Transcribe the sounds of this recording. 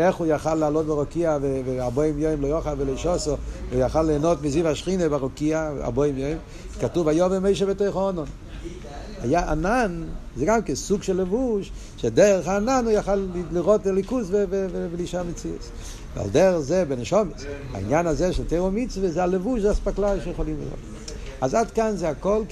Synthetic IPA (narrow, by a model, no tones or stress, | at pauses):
eχujaχalːalot̚bɪʁokiaveveabojimjojmlojoχavelojʃɔsɔveujaχalːeːnotmizivhaʃχinebaʁokiaa̰bojimjojm | katuvajɔvemeɪʃ̬ebətojχaɔnɔn | hajaananzɛɡamkɛsuɡʃɛlːevuʃ | ʃedɛʁəχaːnanujaχalliʁotlikusvevevveliʃaʁmet͡siə̰s | vḛa̰ldɛʁəχzɛbeneʃɔmesa̰ḭnjanazɛʃɛlteʁomit͡svezɛalevuʃzɛaspaklajʃejeχolimlḭʁo̰t | azadkanzɛakol